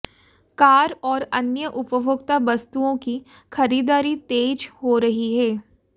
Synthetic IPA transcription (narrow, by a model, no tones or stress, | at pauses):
kaːɾɔːɾɐnjəʔʊpəbʱʊɡt̪abɐst̪uõki | xʰɐɾiːd̪aːɾit̪eːd͡ʒhoɾɐɦiɦɛː